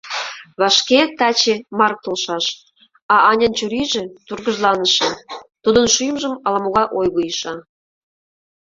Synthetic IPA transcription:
βɑʃket̪ɑt͡ɕemɑrk̚t̪olʃɑʃ | ɑʔɑnʲənt͡ɕuɾiʒĕt̪urɣə̆ʒlˠɑnəʃɑt̪ud̪ə̆nʃyjəmʒə̆mɑlɑmoɣɑʔojɣojəʃɑ

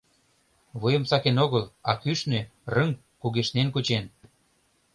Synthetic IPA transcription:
βujə̆msɑkenoɣəlɑkyʃnørəŋ | kuɣeʃnenkut͡ɕen

